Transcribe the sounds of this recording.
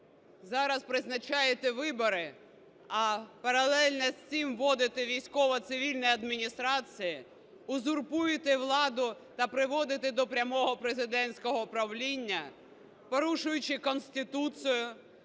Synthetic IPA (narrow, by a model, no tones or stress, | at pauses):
zɑɾɐspɾɪznɐt͡ʃɑjet̪ɛʋɪbɔɾɪ | ɐpɐɾɐlˠɛlʲnɛsʲt͡sʲimʋɔd̪ɪt̪ɪʋʲijsʲkɔʋɐt̪sɪʋʲilʲnɔjɐd̪mʲinʲist̪ɾɑt͡sʲiji | ʊzʊrpujɪt̪ɪʋlˠɑd̪ʊt̪ɐpɾɪʋɔd̪ɪt̪ɪd̪ɔpɾʲɐmɔɦɔpɾezɪd̪ɛnʲsʲkɔɦɔpɾɐʋlʲinʲːɐ | pɔɾuʃʊjʊt͡ʃɪkɔnsʲt̪ɪt̪usɪjʊ